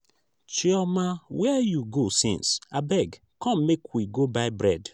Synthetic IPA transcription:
t͡ʃiɔmawɛjuɡosḭ̃nsabɛɡ | kɔ̃mmekʰwiɡobaɪbɹɛd

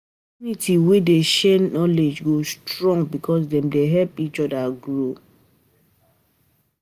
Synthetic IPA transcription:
ɔ | unitʰiwedeʃɛnɔled͡ʒɡostɹɔ̃ŋɡ̚bikʰɔs̬dɛ̃mdeɦɛlpit͡ʃɔdaɡɹo

